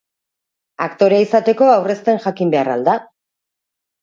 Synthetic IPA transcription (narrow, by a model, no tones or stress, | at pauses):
akt̪o̞ɾaisat̪e̞ko̞awre̞st̪e̞nʝakimbe̞ara̰ld̪a